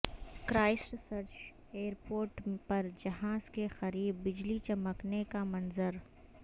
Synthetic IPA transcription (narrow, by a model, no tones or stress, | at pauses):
kɾaːɪsʈsɐɾt͡ʃ | eːəɾpoːɾʈpɐɾd͡ʒɐɦaːzkexɐɾiːbːɪd͡ʒlit͡ʃɐməknekamɐnzəɾ